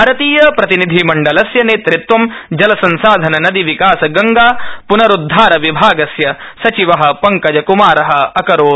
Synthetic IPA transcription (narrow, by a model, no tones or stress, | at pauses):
ɐɾɐt̪iːjɐpɾɐt̪inid̪ʱimɐɳɖɐlɐsjɐneːt̪ɾɪt̪ʋɐmd͡ʒɐlɐsɐnsaːd̪ʱɐnɐnɐd̪iʋikaːsɐɡɐŋɡaːpunɐɾud̪ʱːaːɾɐʋibʱaːɡɐsjɐsɐt͡ʃiʋɐɦɐ̆pɐŋkɐd͡ʒɐkumaːɾɐɦɐɐkɐɾoː